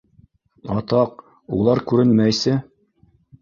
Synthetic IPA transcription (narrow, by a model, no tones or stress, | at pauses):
ɑt̪ɑq̚ | ṵlˠɑɾkʉɾɘnmæjsɘ